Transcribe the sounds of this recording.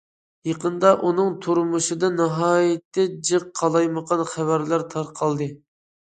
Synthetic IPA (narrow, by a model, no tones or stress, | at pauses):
jeqənd̪ɑʔunɨŋt̪ʰuɾmuʃɨd̪ɑnɑɦɑːjɪt̪ːɛd͡ʒɨqqʰːɑlˠɑjməqɑnχævæɾlæɾt̪ʰɑɾqʰɑlˠd̪ɨ